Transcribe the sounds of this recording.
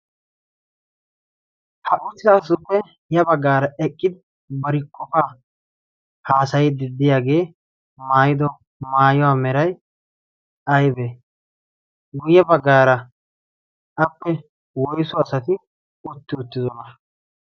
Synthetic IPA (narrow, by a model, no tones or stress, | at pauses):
hɐʔʊsːɪaːs̬ʊpːɛ | jɐbɐɡːaːɾɐʔɛkʼːɪd̪ɪ | bɐɾɪkʰʼːɔfaː | haːsɐjɪd̪ɪd̪ːɪjaːɡe̞ː | maːjɪd̪ɔ | maːjɔwaːmɛɾɐj | ɐjbe | ɡʊjːɛbɐɡːaːɾɐ | ʔɐpːɛ | wɔjsɔɐsɐt̪ɪ | ʊt̪ːɪʊt̪ːɪzɔnɐ